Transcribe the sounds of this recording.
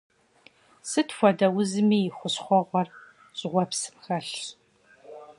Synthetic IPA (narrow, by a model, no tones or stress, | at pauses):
sɨtʰfʷɔdɐwʊzɨmiːjɪxʷʊɕχʷɔʁʷɔr | ɕʼʁʷɔpsɨ̥mxɐɬ